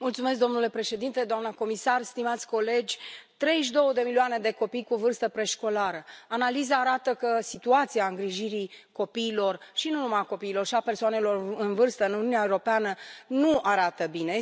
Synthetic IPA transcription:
mult̪sume̞s̬k̚d̪o̞mnule̞pɾe̞ʃe̞d̪int̪e̞d̪oamnəko̞misarst̪imat̪sʲko̞le̞d͡ʒʲt̪ɾe̞jʃ̬d̪o̞wəd̪e̞milioane̞d̪e̞ko̞pijkuvɨrst̪əpɾe̞ʃko̞laɾəanalizaːɾat̪əkəsit̪uat̪siaɨŋɡɾiʒiɾiko̞piːlo̞rʃinunumajako̞piːlo̞rʃiape̞rsoane̞lo̞rɨnvɨrst̪əɨnuniunʲaewɾo̞peanənuaɾat̪əbine̞

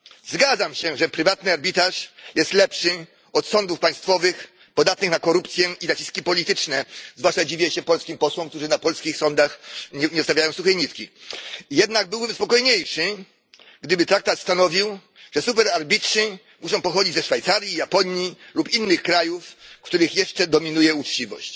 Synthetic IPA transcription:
zɡad̪zamɕɛʐɛpɾɘvat̪nɨaɾbʲit̪aʂjɛst̪lɛpʂɘ | ɔt̪sɔnd̪ufpaj̃st̪fɔvɘx | pɔd̪at̪̚nɘxnakɔɾupt̪sʲjɛinat͡ɕiskʲipɔlʲit̪ɘt͡ʂnɛzvwaʂtad͡ʑivʲiɛɕɛpɔlskʲimpɔswɔ̃mkt̪uʐɘnapɔlskʲixsɔnd̪axɲɲɛɔst̪avʲjajɔ̃w̃suxɛɲit̪kʲijɛd̪naɡ̚bɘwbmspɔkɔjɲejʂɘ | ɡd̪ɘbɘt̪ɾak̚t̪at̪st̪anɔvʲiw | ʐ̥ɛsupɛɾaɾbʲitʂɘ | muʂɔ̃w̃pɔxɔd͡ʑid͡ʑzɛʂfajt̪saɾʲjijapɔɲjilupinːɘxkɾajufkt̪uɾɘxjɛʂt͡ʂɛd̪ɔmʲinujɛut͡ʂt͡ɕivɔ̰ɕt͡ɕ

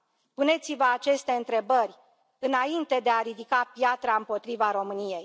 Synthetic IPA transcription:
pune̞t̪sivəat͡ʃe̞st̪e̞ɨnt̪ɾe̞bərʲ | ɨnaint̪e̞d̪e̞aɾid̪ikapjat̪ɾaɨmpo̞t̪ɾivaɾo̞mɨnije̞j

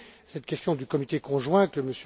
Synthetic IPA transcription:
sɛt̪kʲɛst̪jɔ̃d̪ykɔmit̪ekɔ̃ʒwɛ̃kəməs

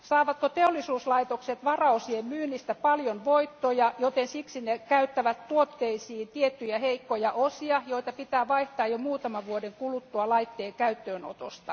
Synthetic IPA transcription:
sɑːʋɑt̪kot̪eolːˑisuːslɑit̪okset̪ʋɑrɑosiemmyːnːist̪æpɑljonʋoit̪ːojɑjot̪ensiksinekæyt̪ːæʋæt̪t̪uot̪ːeisiːnt̪iet̪ːyjæheikːojɑʔosiɑjoit̪ɑpit̪æːʋɑiht̪ɑːjomuːt̪ɑmɑʋʋuodeŋkulut̪ːuɑlɑit̪ːeːŋkæyt̪ːøːno̰t̪o̰st̪ɑ

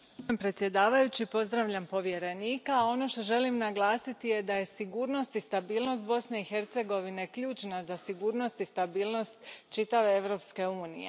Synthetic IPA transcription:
mpɾe̞t̪sʲje̞d̪aːʋajut͡ɕipo̞zd̪ɾaʋʎampo̞ʋje̞ɾe̞niːkaao̞no̞ʃt̪o̞ʒe̞limnaɡlˠaːsit̪ije̞d̪aje̞siɡuːɾno̞st̪ist̪abiːlˠno̞st̪̚bo̞sne̞ixeɾt̪se̞ɡo̞ʋine̞kʎuːt͡ʃnazasiɡuːɾno̞st̪ist̪abiːlˠno̞st̪t͡ʃit̪aʋe̞eʋɾo̞ːpske̞uːnḭjḛ

